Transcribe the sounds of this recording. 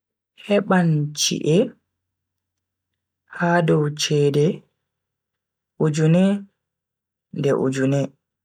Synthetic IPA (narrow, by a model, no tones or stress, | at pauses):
hɛɓant͡ʃḭʔɛ | haːdɔwt͡ʃɛːdɛ | ʔud͡ʒunɛ | ndɛ̰ʔṵd͡ʒunɛ